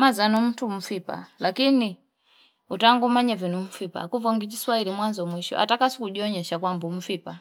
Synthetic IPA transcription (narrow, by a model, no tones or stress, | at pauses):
mazanɔm̩tʰum̩fipa̰lakini | utaŋɡumaɲavinum̩fipa̰kuvɔŋɡit͡ʃiswailimwanzɔmwiʃɔ̰ʔa̰takasi̥kuʄiɔɲɛʃakwambum̩fipa